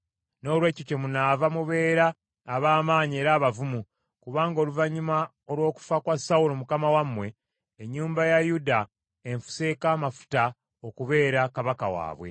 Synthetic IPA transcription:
no̞ːlwe̞ːcocemunavamuβe̞ːɾaː | βaːmaːɲieɾaːβavumu | kuβaːŋɡo̞ːluvaɲuma | o̞lwo̞ːku̥fakwasaulomukamawamːwe̞ | eɲːuːmbajajuda | eɱfu̥se̞kaːmafu̥ta | o̞kuβe̞ːɾakaβaka̰wa̰ːβwḛ

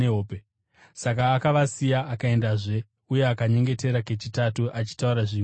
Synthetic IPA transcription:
eɦoːpe | sakaːkaʋasijaakae̞ndaʐe̞ | uje̞akaɲe̞ŋɡe̞te̞ɾake̞t͡ʃitatuʔat͡ʃi̥tauɾaʐiː

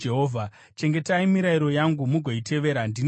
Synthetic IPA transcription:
eɦoːvʱa | t͡ʃe̞ŋɡe̞taimiɾaiɾo̞jaŋɡumuɡʱo̞ite̞ʋe̞ːɾandin

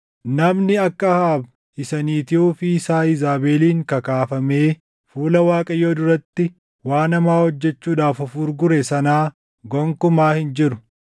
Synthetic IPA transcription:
nɐmnɪɐkːɐhaːb | ɪsɐniːt̪ɪuːfɪsaːɪzaːbe̞ːliːŋkɐkaːfɐme̞ː | fuːlɐwaːkʼɐjːo̞ːd̪ʊɾɐt̪ːɪ | waːnɐmaːhɔd͡ʒːɛt͡ʃːuːᶑaːfɔfuːɾɡʊɾɛsɐnaː | ɡɔŋkʊmaːhɪnd͡ʒɪɾʊ

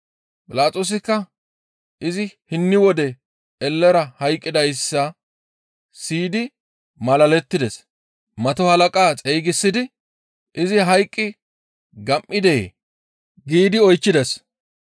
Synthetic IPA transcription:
pʼɪlaːtʼoːs̬ɪkːɐ | ʔɪzɪhɪnːɪwɔd̪ɛ | ɛlːɛɾɐhɐjkʼːɪd̪ɐjsːɐ | siːd̪ɪ | mɐlɐlɛt̪ːɪd̪ɛs | mɐt̪ɔhɐlɐkʼaːt͡sʼɛjɡɪsːɪd̪ɪ | ʔɪzɪɦɐjkʼːɪ | ɡɐmʔːɪd̪ɛjḛ | ɡiːd̪ɪɔjt͡ʃːɪd̪ɛs

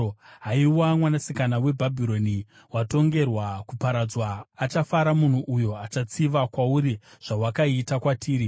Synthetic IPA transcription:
ɦaiwamwanasikanawe̞bʱabʱiɾo̞ni | wato̞ŋɡe̞rwakupaɾad͡zwaːt͡ʃafaɾamun̤uʔujo̞at͡ʃat͡siʋakwauɾiʐ̥awakaitakwatʰiːɾi

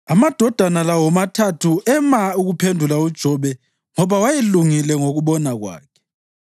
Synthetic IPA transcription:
amad̥ʱɔd̥ʱanalawɔmatʰatʰuʔɛmauɣupʰendʱulaud̥ʒ̥ʱɔβɛ | ŋɔβawajeluŋilɛŋoɣuβɔnaɣwa̰ːkʰɛ̥

